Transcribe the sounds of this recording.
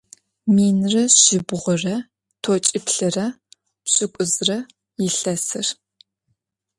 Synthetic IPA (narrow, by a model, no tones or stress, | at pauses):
miːnrɐɕɪbʁʷʊrɐ | tʰot͡ʃʼɪpɬɨrɐ | pɕʼɪkʷʼʊzrɐ | jɪɬɐsɨr